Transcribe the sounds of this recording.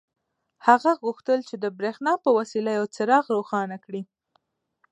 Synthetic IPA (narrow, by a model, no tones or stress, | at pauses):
haɣaɣuxt̪əlt͡ʃed̪əbɾexnɑpəwasilajawt͡səɾɑɣɾoxɑnakɽi